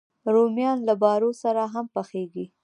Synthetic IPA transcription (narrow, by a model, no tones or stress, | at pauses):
ɾomjɑnlabɑɾosaɾaɦampaxeɡi